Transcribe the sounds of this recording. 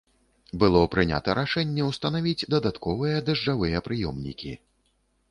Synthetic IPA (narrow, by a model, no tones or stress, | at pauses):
bɨlˠɔpɾɨnʲa̰t̪ɐɾʔaʂɛnʲːɛwst̪ɐnavʲid͡zʲd̪ɐd̪at̪kɔvɨjɐd̪ɐʐd͡ʐavɨjɛpɾɨjɔmnʲḭkʲi